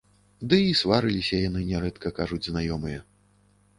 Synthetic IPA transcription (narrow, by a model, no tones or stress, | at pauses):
d̪ɨisvaɾɨlʲisʲɐjanɨnʲɛɾɛt̪kɐkaʐud͡zʲznajɔmɨjɐ